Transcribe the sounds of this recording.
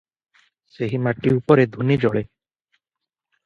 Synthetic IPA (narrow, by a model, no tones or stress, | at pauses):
seɦimaʈiupɔɾed̪ʱunid͡ʒɔɭe